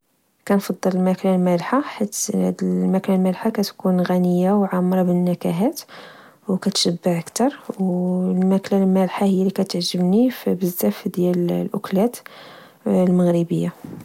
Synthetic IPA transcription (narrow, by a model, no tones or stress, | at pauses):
kænfɑd̪ˤːəllmæklalmælħaħit̪ːhæ̰d̪əmæklalmælħakæt̪kunɣænəjːawʕamɾˤɑbənːækæɦæt̪ | wkæt̪ʃæbːaʕəkt̪ɑɾˤwlmæklalmælħahəjːælikæt̪əʕʒəbnifbəzːæfd̪jællʔʊklæt̪ | lməɣɾibəjːa